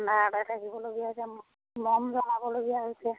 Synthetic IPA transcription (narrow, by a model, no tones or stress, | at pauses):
natatakibɔloɡijaɦosɛmɔ | mɔmzɔnabɔloɡijaɦojsɛ